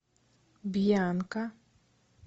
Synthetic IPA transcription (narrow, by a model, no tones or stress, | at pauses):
bijanka